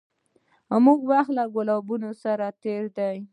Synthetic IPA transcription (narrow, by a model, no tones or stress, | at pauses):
hamuɡwaxt̪laɡʊlabunosaɾat̪eɾd̪aj